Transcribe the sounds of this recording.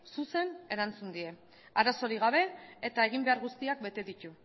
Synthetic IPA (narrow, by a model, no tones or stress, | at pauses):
suse̞ne̞ɾant͡sund̪ie̞ | aɾaso̞ɾiɣ̞aβ̞e̞ːt̪ae̞ɣ̞imbe̞aɾɣust̪iak̚be̞t̪e̞ðit̪u